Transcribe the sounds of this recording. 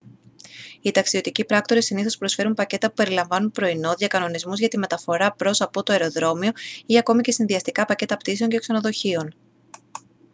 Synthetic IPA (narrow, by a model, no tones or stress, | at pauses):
it̪ɐksio̞t̪icipɾɐkt̪o̞ɾesiniθo̞spɾo̞sfe̞ɾumpɐce̞t̪ɐpu̥pe̞ɾilɐɱvɐnunpɾo̞ino̞ðʝɐkɐno̞nizmuzʝɐt̪ime̞t̪ɐfo̞ɾɐpɾo̞sɐpo̞t̪oeɾo̞ðɾo̞mio̞iɐko̞mice̞sinðiɐst̪ikɐpɐce̞t̪ɐpt̪is̬e̞o̞ɲce̞kse̞no̞ðo̞çio̞n